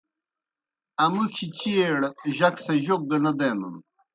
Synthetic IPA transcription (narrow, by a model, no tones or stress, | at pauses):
ɐmukʰit͡ɕieɽʑɐksɐʑok̚ɡ̪ɐlɐd̪enṵn